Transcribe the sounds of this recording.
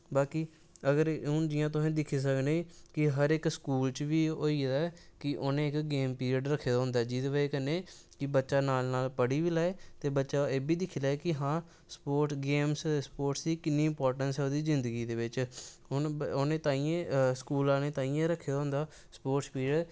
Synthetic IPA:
baːkiː | əɡəɾʊnd͡ʒɪjãːt̪̬ʊɦẽːd̪ɪkʰeːs̬əkneːkɪɦəɾɪkskuːlt͡ʃʋiːoːiːd̪aɛkɪʔoːnẽːɪkɡeːmpiːɾiəɖɾəkʰːeːd̪aːɦʊ̃nd̪aːd͡ʒiːt̪ʋəeːkənːeː | kɪbətːʃaːnaːlnaːlpəɽiːʋiːlaːeːt̪eːbətːʃaːeːbiːd̪ɪkʰːlaːekɪɦãː | spoːɾʈsɡeːmsspoːɾʈsd̪iːkɪnːiːɪmpɔːɾʈənsɛːod̪iːzɪnd̪əɡiːd̪eːʋɪt͡ʃ | ʊnoːnẽːt̪aːiːẽskuːlãːnẽːt̪aːiːãːɾəkʰːeːd̪aːɦʊ̃nd̪aː | spoːʈspiːɾɖ

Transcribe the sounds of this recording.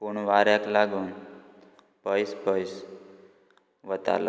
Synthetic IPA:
kuɳʋaɾjaklaɡuːn | b̥ʱəjsbʱəjs | ʋət̪a̰lo̰

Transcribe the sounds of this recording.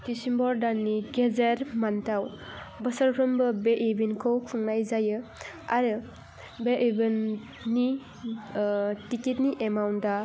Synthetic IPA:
tisimbɔɾdanːiɡezeɾmantaw | bɐsəɾkɾɯmbɯbeʔibinkʰɯwkʰuŋnajzajɯ | aɾɯ | beʔibinː | i | tiketniʔemawnda

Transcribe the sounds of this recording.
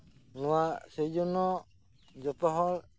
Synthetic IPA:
luwaʔsejd͡ʒunɔ | d͡ʒɔt̪ɔɦɔl

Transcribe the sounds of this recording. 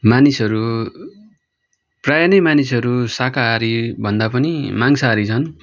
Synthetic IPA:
manisʌɾu | prajʌnʌjmanisʌɾusakaɦːɾibʱʌnd̪apʌnimaŋsaːɾit͡sʰʌn

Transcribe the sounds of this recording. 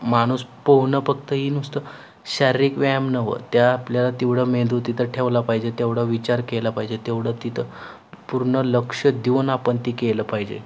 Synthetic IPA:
maɽ̃uːspəwnəfəkt̪əɦiːnust̪ə | ɕaɾɾikʋamnəʋə̰t̪jaːpljalat̪iʋɽ̤əmed̪ut̪it̪ʰəʈʰeʋlapaɦid͡ʑet̪eʋɽəʋit͡ɕaɾkelapaɦid͡ʑet̪eʋɽ̤ət̪it̪ʰə | puɾɳələkʂəd̪iʋnapəɳt̪iːkeləpaɦid͡ʑḛ

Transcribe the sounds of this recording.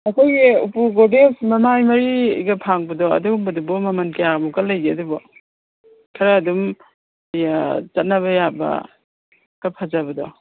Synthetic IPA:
ɐkʰojɡiupuɡodesmɐmajmɐɾiɡɐpʰaŋbɐdɔɐ̰dubɐdubɔmɐmɐnkijaɡmukɐlɐjɡeɐdubɔ | kʰɐɾɐːdum | jat͡ʃɐt̚nɐβɐjabɐ̰ | ɡ̥ɐpʰazabɐdɔ

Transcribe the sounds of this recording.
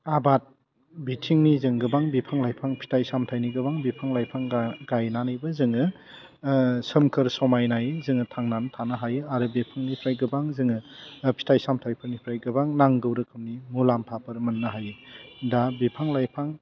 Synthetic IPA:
abat̚ | bitʰiŋnizɯŋɡɯbaŋbipʰaŋlajpʰaŋpʰi̥tʰajsamtʰajniɡɯbaŋbipʰaŋlajpʰaŋɡajnanɯjbɯzɯŋɯ | sɯmkʰɯɾsɔmajnajzɯŋɯtʰaŋnantʰanɐɦajɯaɾɯbipʰaŋnipʰɾajɡɯbaŋzɯŋɯpʰi̥tʰajsamtʰajpʰɯɾnipʰɾajɡɯbaŋnaŋɡɯwɾɯkʰɯmnimulampʰapʰɐɾmɐnːɐɦajɯdabipʰaŋlajpʰaŋ

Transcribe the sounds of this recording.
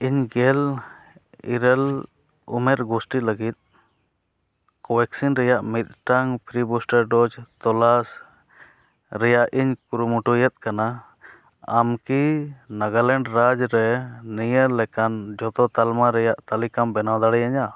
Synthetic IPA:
iɲɡɛl | ḭɾɛl | ṵmɛɾɡusʈiləɡit̪̚ | kɔwɛksinɾɛjaʔmit̪̚ˀʈaŋpʰɾibusʈəɾɖɔd͡ʒt̪ɔlas | ɾɛjaʔiɲkuɾumuʈujɛt̪̚ˀkana | amkinaɡalɛɳɖɾad͡ʒɾɛnijəlɛkand͡ʒɔt̪ɔt̪almaɾɛjaʔt̪alikambɛnawd̪aɽɛjaɲa

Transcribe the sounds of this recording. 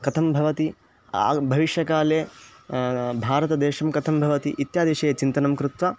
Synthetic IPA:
kɐt̪ʰɐmbʱɐʋɐt̪i | a̰ːbʱɐʋiʃjɐkaːleː | bʱaːɾɐt̪ɐd̪eːʃɐmkɐt̪ʰɐmbʱɐʋɐt̪ḭʔit̪jaːd̪eʃɐːjɐt͡ʃint̪ɐnɐmkɾut̪ʋɐ

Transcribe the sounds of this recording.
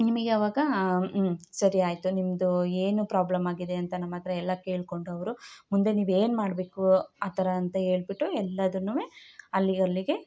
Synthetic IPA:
nimɐɡeɐːʋaːɡɐ | sɐɾiaːjt̪unimɐd̪ueːnupɾaːblɐmaːɡid̪e̞ɐnt̪ɐnɐmːɐt̪ɐɾɐɛlːɐkeːɭko̞ɳɖuɐʋɐɾumund̪eniːʋe̞ːnmaːɽbe̞ːkuaːt̪ɐɾɐːnt̪ɐɦe̞ːɭbiʈːuɛlːɐd̪unːuʋeɐlːiɐlːiɡe̞

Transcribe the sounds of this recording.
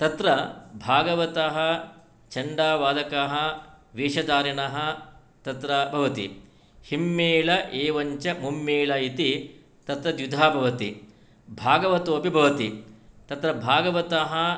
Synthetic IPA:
t̪ɐt̪ɾɐbʱaːɡɐʋɐt̪ɐɦɐ | t͡ʃɐɳɖaːʋaːd̪ʱɐkaɦɐʋeːʃɐd̪aːɾɐnɐɦɐ | t̪ɐt̪ɾɐbʱɐʋɐt̪ḭ | himːeːlɐʔeːʋɐɲt͡ʃɐmumːeːlɐit̪i | t̪ɐt̪ɾɐd̪jud̪ʱaːbʱɐʋɐt̪ḭ | bʱaːɡɐʋɐt̪oːpibʱɐʋɐt̪it̪ɐt̪ɾɐbʱaːɡɐʋɐt̪ɐɦɐ

